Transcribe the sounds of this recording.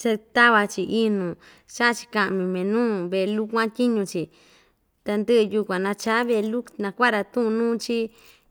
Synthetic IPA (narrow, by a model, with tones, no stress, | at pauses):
t͡ʃe˧t̪a˦βa˧t͡ʃi˧ʔi˦nũ˨ | ʃa˦ʔt͡ʃi̥˧kã˧ʔmĩ˧˨mẽ˨nũː˦βe˧˨˧lu˦kʷã˦t̪ʲi˦ɲũ˧t͡ʃi˨ | t̪a˧nd̪ɨ˦ɨ˧ju˧kʷã˨nã˧t͡ʃa˨˦βe˧lu˦nã˧kʷa˦ɾa˧t̪ũ˦ʔnũː˦t͡ʃi˦